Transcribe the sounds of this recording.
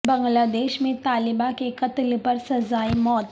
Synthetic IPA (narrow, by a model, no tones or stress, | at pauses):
bəŋɡlad̪eɕmet̪alibakekət̪ilpəɾsəzaimɔt̪